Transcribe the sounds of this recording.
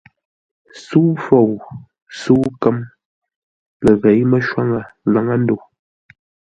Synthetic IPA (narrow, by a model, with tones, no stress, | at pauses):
su˦fo˨w | su˦kə˦m | lə˨ɣe˨˦jmə˦ʃwa˦ŋə˨la˨˦ŋa˦n˦do˨